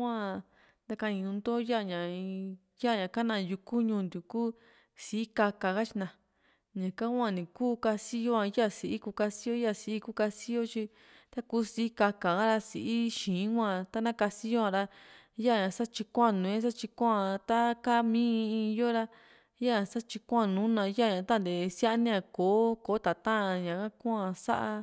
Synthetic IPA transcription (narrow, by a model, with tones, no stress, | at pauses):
ã˦˧ | nd̪a˧ka˧nĩ˧nũ˧nd̪o˦ja˦˨ɲã˨˧ | ja˦˨ɲã˨ka˦nã˧˨ju˧ku˦ɲũː˧˨nd̪u˨ku˦ | si˨i˦ka˧ka˨ɣa˦t͡ʃi˧nã˨ | ɲã˨ka˦ã˧˨nĩ˨kuː˦ka˧si˦jo˦ã˧ja˦˨si˨ʔi˦ku˧ka˧si˦jo˦ja˦˨si˧i˦ku˦ka˧si˦jo˦t͡ʃi˧ | t̪a˦kuː˦si˧i˦ka˧ka˨ɣa˦ɾa˧si˨ʔi˦ʃĩː˨˦kʷã˧˨t̪a˦nã˦ka˧si˦jo˦ã˧ɾa˧ | ja˦˨ɲã˨sa˦t͡ʃi˧kʷa˦˧˨nũ˨ẽ˦s̬a˦t͡ʃi˧kʷã˧t̪a˦ka˦mĩ˦˧i˧jo˦ɾa˧ | ja˦a˧sa˦t͡ʃi˧kʷa˦˧˨nũ˦nã˧ja˦˨ɲã˧t̪a˦nd̪e˨sja˦ʔnĩ˦ã˧koː˨˦ko˨˦t̪a˨t̪ã˦˧ɲã˨kã˦ku˦ã˧sa̰˦ʔa˧